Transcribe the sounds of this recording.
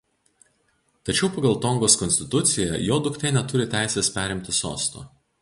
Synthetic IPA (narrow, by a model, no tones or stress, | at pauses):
t̪ɐt͡ʃʲɛʊpɐɡɐlˠt̪ɔŋɡoːskɔnʲsʲt̪ʲɪt̪ʊt̪sʲɪjjɛjoːd̪ʊkt̪ʲɛɪnʲɛt̪ʊɾʲɪt̪ʲæˑɪsʲeːspʲæːɾʲɪmʲt̪ʲɪso̰ːst̪o̰